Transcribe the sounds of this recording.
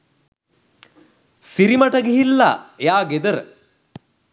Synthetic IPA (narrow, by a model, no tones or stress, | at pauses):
siɾimɐʈɐɡiɦilːa̰jaːɡed̪ɐɾə